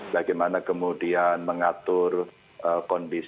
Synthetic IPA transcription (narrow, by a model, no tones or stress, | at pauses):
b̥aɡajmanakəmudianməŋat̪ʊr | ʔəkɔndis